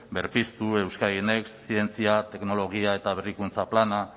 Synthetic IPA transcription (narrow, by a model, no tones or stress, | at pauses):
be̞ɾpist̪ue̞wskainekssie̞nt͡siat̪e̞kno̞lo̞ɣ̞iae̞t̪aβerikunt͡saplana